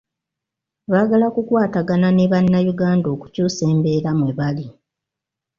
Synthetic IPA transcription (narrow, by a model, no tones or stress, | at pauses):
βaːɡalakukwaːtaɡananeβanːajuɡaːndo̞ːku̥cuːse̞ːmbe̞ːɾamwe̞βali